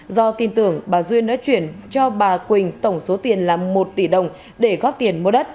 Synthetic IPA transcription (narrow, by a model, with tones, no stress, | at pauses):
zɔ˧t̪i˨˩nt̪ɨ˧˩əŋɓaː˨˩zwi˧ənɗa̰ː˧˥t͡ɕwi˧˩ənt͡ɕɔ˧ɓaː˨˩kwï˨˩ŋ̟t̪ə˧˩wŋ͡mso˨˦t̪i˨˩ənlaː˨˩mmo˨˩t̚t̪i˧˩ɗə˨˩wŋ͡m | ɗe˧˩ɣɔː˦˥p̚t̪i˨˩ənmu˧ɗə˦˥t̚